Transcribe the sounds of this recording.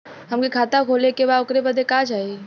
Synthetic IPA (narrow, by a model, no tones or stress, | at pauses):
ɦəmkekʰaːt̪akʰoːlekebaːd̪ʊkɾebəd̪ʱekaːd͡ʒaːe